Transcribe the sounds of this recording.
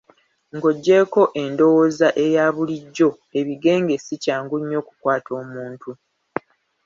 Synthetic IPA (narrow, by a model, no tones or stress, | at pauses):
ŋɡo̞ɟːe̞ko̞ʔe̞ndo̞wozaʔe̞jaːβuliɟːo̞ | e̞βiɡe̞ːŋɡe̞sicaːŋɡuɲːo̞ːku̥kwaːtʰo̞ːmuːntu